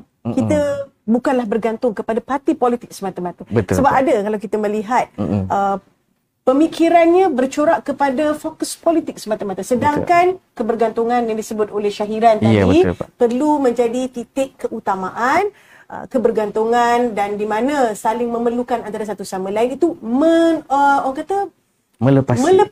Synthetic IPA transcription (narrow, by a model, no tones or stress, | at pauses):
kit̪ə | bukanlahbərɡant̪ʊŋkəpadapart̪ipɔlit̪ɪk̚səmat̪amat̪abət̪səbapadakalawkit̪amə̃liɦat̪̚ʔə | pəmikiɾanɲãbərt͡ʃoɾaʔkəpadafokəspɔlit̪ɪk̚səmat̪amat̪əsədaŋkankəbərɡant̪uŋãnjaŋdisəbʊt̪̚olɛhʃaɦiɾant̪dḭpərlumə̃ɲd͡ʒadit̪it̪ɪkːəʔut̪amaʔan | ʔə̰kəbərɡant̪uŋandandimãnãsalɪŋmə̃mərlukanant̪aɾasat̪usamãlainit̪uməəoaŋkat̪a | mə̃ləpasmə̃lə